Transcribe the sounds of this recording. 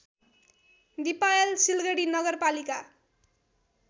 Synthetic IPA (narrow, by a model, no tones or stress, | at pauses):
d̪ipajelsilɡʌɽinʌɡʌrpalika